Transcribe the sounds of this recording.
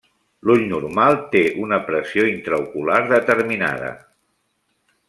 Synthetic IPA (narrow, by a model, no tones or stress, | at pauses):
luʎnurmalˠt̪eʔunəpɾəsioint̪ɾəukulaɾðət̪əɾmina̰ð̞ə̰